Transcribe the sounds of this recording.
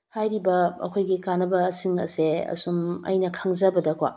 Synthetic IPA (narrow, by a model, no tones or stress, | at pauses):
hajɾibɐɐ̰kʰojɡikanɐbɐːsiŋɐ̰seɐ̰sumɐ̰jnɐkʰaŋzɐbɐdɐkʰwa̰